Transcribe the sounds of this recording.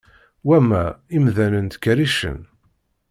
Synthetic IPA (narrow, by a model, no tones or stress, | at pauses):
wæmæimðænənt̪kːɾiʃə̰n